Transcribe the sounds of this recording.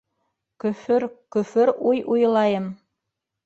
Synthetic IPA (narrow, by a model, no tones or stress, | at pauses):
kɵ̆fɵɾkɵ̆fɵɾujʔuj̆lˠɑjɤm